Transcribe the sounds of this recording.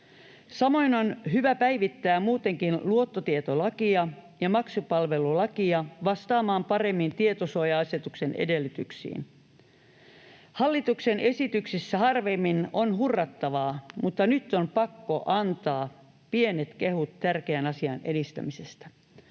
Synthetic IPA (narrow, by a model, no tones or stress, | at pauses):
sɑmo̞inonɦyʋæpæiʋit̪ːæːmmuːt̪eŋkinluot̪ːot̪iet̪olɑkiɑjɑmɑksupɑlʋe̞lulɑkiɑʋɑst̪ɑːmɑːmpɑremːint̪iet̪osojɑɑse̞t̪uksenḛdelːit̪yksḭːn | hɑlːit̪uksenʔesit̪yksisːæhɑrʋemːinonhurːɑt̪ːɑʋɑːmut̪ːɑnyt̪ːompɑkːo̞ʔɑnt̪ɑː | pie̞net̪ke̞hut̪t̪ærkeænɑsiɑ̰nedist̪æ̰misest̪æ̥